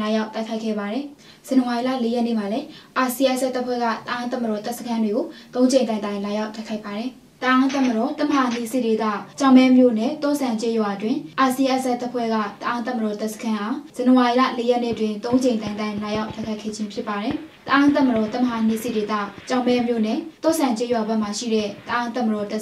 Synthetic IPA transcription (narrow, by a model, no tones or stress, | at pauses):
ajaʊt̪aɪkʰaɪkʰːɛ̰baɾɛ | z̥ãnəwailä̰lejɛnḛmalɛʔasiʔɛʔsɛtːapʰwɛ̰ɡa̰t̪əʔãt̪̬ãmədɔt̪ɛʔsəkʰãndweɡot̪õʊ̃ɲd͡ʑẽnãɪ̃nt̪ãɪ̃lajaʊtːaɪkʰaɪpːaɾɛ | t̪əʔãt̪amədɔt̪aməɾan̥ḭsḛdet̪ä̰t͡ɕãʊ̃mbɛmjo̰nɛ̰t̪ɔ̰sʰãt͡ɕɛjwaʔətwɪ̃ʔasiʔɛʔsɛʔtːpʰwɛ̰ɡa̰t̪əʔãt̪ãməɔt̪ɛʔsə̥kʰãʔaz̥ãnəwailä̰lejɛʔnḛətwɪ̃nt̪õʊ̃ɲd͡ʑẽɪ̃t̪ãɪ̃t̪ãɪ̃lajaʊʔtaɪkʰaɪkʰːɛ̰d͡ʑɪ̃mpʰjɪpːaɾɛt̪əʔãt̪̬ãməɾɔt̪aməɾan̥ḭsḛdet̪ä̰t͡ɕãʊ̃mɛmjo̰nɛ̰t̪ɔ̰sʰãɲt͡ɕejwabɛʔmaʃḭɾɛ̰t̪əʔãt̪ãməɔt̪ɛ